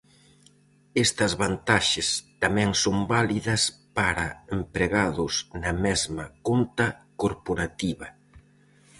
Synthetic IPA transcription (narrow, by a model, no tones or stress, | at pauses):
ɛst̪ɐzβant̪aʃɪst̪amɛŋsombaliðɐspaɾɐempɾeɣaðʊsnɐmɛzmɐkont̪ɐkoɾpoɾat̪iβɐ